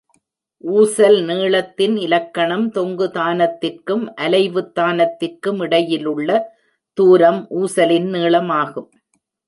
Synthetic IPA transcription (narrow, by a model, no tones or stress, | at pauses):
ʔuːsɐlniːɭɐt̪ːɪnɪlɐkːɐɳɐmt̪ɔŋɡɯðaːnɐt̪ːɪrkɯmʔɐlɐɪʋɯt̪ːaːnɐt̪ːɪrkɯmɪɽɐjɪlɯɭːɐ | t̪uːɾɐmʔuːsɐlɪnneːɭɐmaːɣɯm